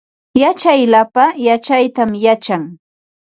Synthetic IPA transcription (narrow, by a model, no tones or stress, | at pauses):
jat͡ʃajlapajat͡ʃajt̪amjat͡ʃaŋ